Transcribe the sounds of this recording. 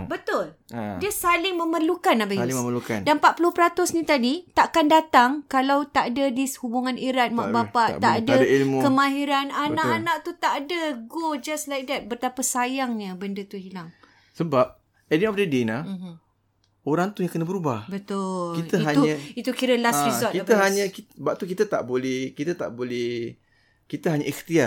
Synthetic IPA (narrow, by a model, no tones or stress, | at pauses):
bət̪ʊldiəsalɪŋməmərlukanabasaməməlukandanpat̪̚pulʊhpəɾat̪ʊsnĩt̪adit̪aʔakandat̪aŋkalawt̪aʔadədishubuŋaniɾat̪̚maʔbapaʔ̪aʔdadailmukəmãɦiɾananaʔanaʔ̚t̪ut̪aʔdəɡod͡ʒaslajk̚d̪ɛt̪̚bərt̪apasajaŋɲəbəndət̪uɦilaŋ | səbap̚ | ɛdinɔfdədena | oɾaŋt̪ujaŋkənəbəɾubahbət̪ʊlkit̪əɦauɲə̃it̪ukiɾəlasizɔt̪kit̪əɦaɲə̃kibaʔ̚t̪ukit̪at̪a̰ʔbolɛhkit̪ət̪a̰ʔbolɛh | kit̪əɦaɲəʔɛxt̪ia